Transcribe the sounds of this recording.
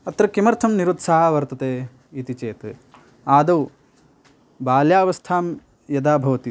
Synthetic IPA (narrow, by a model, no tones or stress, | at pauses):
ɐt̪ɾɐkimɐɾt̪ʰɐmniɾut̪saːɦaʋɐɾt̪ɐt̪eː | it̪it͡ʃeːt̪ | aːd̪ɐw | baːljaːʋɐst̪ʰaːm | jɐd̪aːbʱɐʋɐt̪i